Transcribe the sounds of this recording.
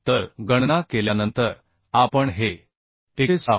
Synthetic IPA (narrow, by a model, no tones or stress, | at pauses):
t̪əɾɡəɳnakeljanənt̪əɾ | apəɳɦe | eesa